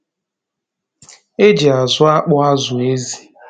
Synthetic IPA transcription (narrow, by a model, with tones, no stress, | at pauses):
e˦d͡ʒi˨a˨zʊ˦a˦k͡pʊ˦a˦zʊ˨e˦zi˨